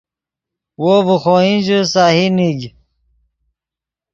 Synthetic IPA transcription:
woːvuxoːĩd͡ʑusaːhiniɡ

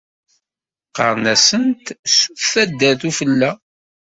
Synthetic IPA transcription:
qə̰ɾˤnæsənt̪suθæd̪ːæθufəlːæ

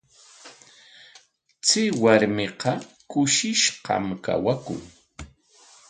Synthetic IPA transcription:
t͡sɪwaɾmɪqɑkʊʃɪʃqɑ̰mka̰wakʊ̰ŋ

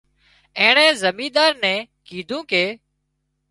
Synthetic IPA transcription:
ɛ̃ːɳɛ̃ːzəmiːd̪aːɾnɛ̃ːkiːd̪ʱũːkeː

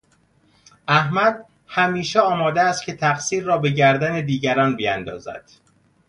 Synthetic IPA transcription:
æhmæd̪ | hæmiːʃeɒːmɒːd̪eæst̪̚cʰe̞t̪ʰæqsiːɾːɒːbe̞ɟæɾd̪æned̪iːɟæɾɒːnbijænd̪ɒ̰ːzæ̰d̪̥

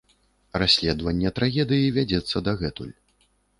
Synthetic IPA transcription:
rasʲlʲɛd̪vɐnʲːɛt̪ɾaɣʲɛd̪ɨjivʲad͡zʲɛt̪sːɐd̪aɣɛt̪ṵlʲ

